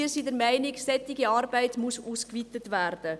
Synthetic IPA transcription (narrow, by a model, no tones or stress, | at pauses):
isiːdəɾmæɪnɪksɛtɪɡiɑːɾbæɪtmusuːskvitətværd̥ə